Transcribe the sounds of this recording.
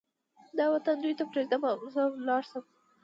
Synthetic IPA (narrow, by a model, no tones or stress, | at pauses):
d̪ɑwat̪and̪ujt̪apɾezd̪amazəlɑɾsəm